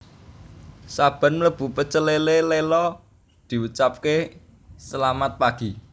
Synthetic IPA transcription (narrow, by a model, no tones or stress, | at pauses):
sab̥a̤nmələb̥ṳpət͡ʃəlelelelɔ | d̪̥i̤wut͡ʃap̚ke | səlamat̪̚paɡ̥i